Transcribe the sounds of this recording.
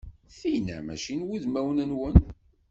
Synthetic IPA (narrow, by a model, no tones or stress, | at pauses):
θijnæ̰mæ̰ʃinwuðmæwnənwən